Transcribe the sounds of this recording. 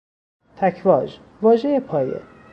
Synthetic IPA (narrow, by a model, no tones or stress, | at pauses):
t̪ʰæcʰvɒːd͡ʒ | vɒːʒejepʰɒːjḛ